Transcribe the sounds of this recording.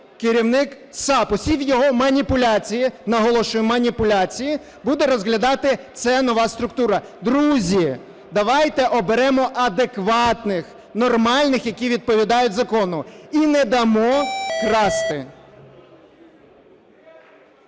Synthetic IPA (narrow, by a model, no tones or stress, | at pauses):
kɪɾʲiwnɪk | sɑpɔsʲiwjɔɦɔmɐnʲipʊlʲat͡sʲijinɐɦɔlˠɔʃʊjʊmɐnʲipʊlʲat͡sʲiji | bud̪ɛɾɔzɦlʲɐd̪ɑt̪ɪt̪sɛnɔʋɑst̪ɾʊkt̪uɾɐd̪ɾuzʲi | d̪ɐʋɑjt̪ɛʔɔbeɾɛmɔʔɐd̪ekʋɑt̪nɪx | nɔrmɑlʲnɪxjɐkʲiʋʲid̪̚pɔʋʲid̪ɑjʊtʲzɐkɔnʊinɛd̪ɐmɔkɾɑst̪ɪ